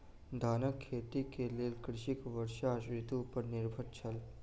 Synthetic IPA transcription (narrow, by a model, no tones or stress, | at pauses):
d̪ʱaːnəkʰːeːt̪ikelelkɾɪʃikʋəɾʃaʃɾɪt̪upəɾnɪɾbʱəɾt͡ʃʰɐl